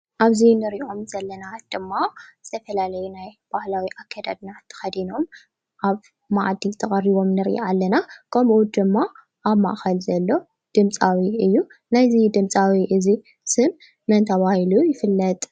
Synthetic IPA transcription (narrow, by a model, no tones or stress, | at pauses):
ʔaβzinɨɾio̞mzɐlːɐnad̪̥ɨmːaz̥ɨt̪ʰɐfɐlalɐjunajb̥ahlawiʔakʰːad̪ad̪nat̪ʰːɐ̥xɐd̪ino̞m | ʔaβ | maʕd̪it̪ʰɐχʼɐɾiβo̞mnɨɾʔḭalːɐnakʰɐmʔud̪ɨmːa | ʔaβma̰ʔxɐlzɐlːo̞ | d̪̥ɨmt͡sʼawiɨjːu | najzid̪ɨmt͡sʼawiʔɨzi | sɨmː | ɐnt̪ʰɐβahilujɪfɨlːɐt̪ʼ